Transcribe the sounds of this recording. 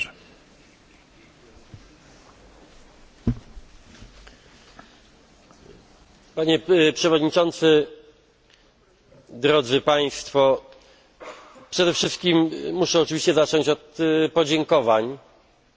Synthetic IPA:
paɲɛpʂɛvɔd̪ɲit͡ʂɔnt̪sɘ | d̪ɾɔd̪zɘpaj̃st̪fɔ | pʂɛd̪ɛfʂɘst̪kʲimːuʂɛɔt͡ʂɘvʲiɕt͡ɕɛzat͡ʂɔɲt͡ɕɔt̪pɔd͡ʑɛŋkɔvaɲ

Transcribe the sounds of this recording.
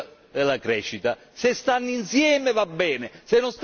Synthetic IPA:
d̪elːakɾɛːʃːit̪a | sest̪anːinsjɛːmevabːɛːnesenːonst̪

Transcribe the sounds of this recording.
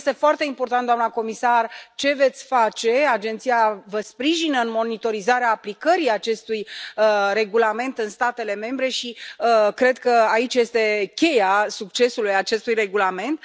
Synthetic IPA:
st̪e̞foart̪e̞impo̞rt̪ant̪d̪oamnəko̞misart͡ʃe̞ve̞t̪sʲfat͡ʃe̞ad͡ʒe̞nt̪sijavəspɾiʒinəɨnmo̞nit̪o̞ɾizaɾeaːplikəɾiat͡ʃe̞st̪ujre̞ɡulame̞nt̪ɨnst̪at̪e̞le̞me̞mbɾe̞ʃikɾe̞d̪̚kəait͡ʃje̞st̪e̞kʲe̞jasuk̚t͡ʃe̞sulujat͡ʃe̞st̪ujre̞ɡulame̞nt̪

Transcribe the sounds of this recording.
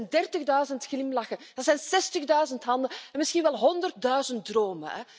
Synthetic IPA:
ndɛrtəɣdœɥzəntxlɪmlɑxənd̥ɑtsɛjnsɛstəɣdœɥzəntɦɑndəɛnmɪsxinʋɛlˠɦɔndərt̚dœɥzənt̚droːmə̰nɛ̰

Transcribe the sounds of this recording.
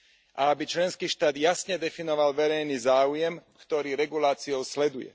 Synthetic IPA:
ʔaabit͡ʃlɛnskiːʃt̪aːd̪jasɲɛd̪ɛfinɔʋalʋɛɾɛjniːzaːujɛmkt̪ɔɾiːɾɛɡulaːt͡sijɔʊslɛd̪ujɛ̰

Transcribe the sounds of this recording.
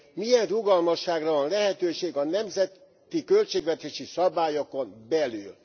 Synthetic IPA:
mijɛnruɡɒlmɒʃːaːɡrɒvɒnlɛɦɛt̪øːʃeːɡɒnɛmzɛt̪ | t̪ikølt͡ʃeːɡʋɛt̪eːʃisɒbaːjokonbɛlyːl

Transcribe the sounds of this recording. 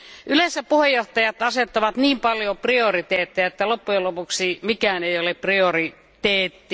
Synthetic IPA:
ʔylesːæpuhejːoht̪ɑjɑt̪ɑset̪ːɑʋɑt̪niːmpɑljopriorit̪eːt̪ːiæet̪ːælopːujelopuksimikæːnejoleppriori | t̪eːt̪ːi

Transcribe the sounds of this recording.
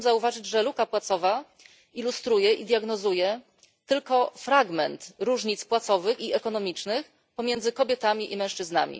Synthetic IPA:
zauvaʐɘd͡ʑʐɛlukapwat̪sɔva | ilust̪ɾujɛʔid̪jaɡnɔzujɛ | t̪ɘlkɔfɾaɡmɛnt̪ɾuʐɲit̪spwat̪sɔvɘxiɛkɔnɔmʲit͡ʂnɘx | pɔmʲjɛnd̪zɘkɔbʲjɛt̪amʲiʔimɛ̃w̃ʂt͡ʂɘzna̰mʲḭ

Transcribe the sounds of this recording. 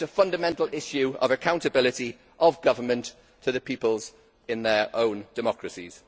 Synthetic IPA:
əfʌ̃ndəmɛ̃ntˡl̩ɪʃjʉə̰vəkʰãʊ̃ntəbɪlɪti | ʔəvɡʌvəmə̃ntʰ | əðəpʰiˑpəlˠz | ɪ̃nðəɹʔõʊ̃nd̥ɪmɒkʰɹəsḭz̥

